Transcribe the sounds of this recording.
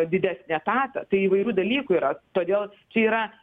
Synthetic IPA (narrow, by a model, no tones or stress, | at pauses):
d̪ʲɪd̪ʲæːsʲnʲɛt̪ɑːt̪ɐ̰t̪ɐɪiːʋɐɪɾʲuːd̪ɐlʲiːkuiːɾɐt̪oːd̪ʲeːlˠt͡ʃʲɛiːɾɐ